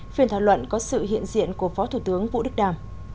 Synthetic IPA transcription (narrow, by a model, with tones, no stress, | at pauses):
fi˨˩ənt̪ʰaː˧˩wlwə̰˧˨nkɔ˨˦sɨ̰˧˨ɦḭ˧˨ənzḭ˧˨ənku˧˩əfɔ˨˦t̪ʰu˧˩t̪ɨ˨˦əŋvṵ˧˨ɗɨ˦˥k̚ɗaː˨˩m